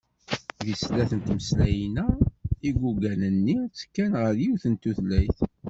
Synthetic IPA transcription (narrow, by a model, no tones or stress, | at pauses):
ðislæθənt̪məslæjinæiɡʷuɡænənːit͡sːkːænʁəɾjiwθənt̪uθlæjθ